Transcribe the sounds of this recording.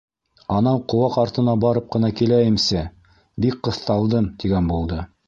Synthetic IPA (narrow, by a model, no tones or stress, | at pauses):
ɑnɑɴqŏwɑqɑɾt̪ɤ̆nɑbɑɾɤp̚qɤ̆nɑkilæjɘ̆msæ | bik̚qːɤ̆θt̪ɑlˠd̪ɤmt̪iɡænbulˠd̪ɤ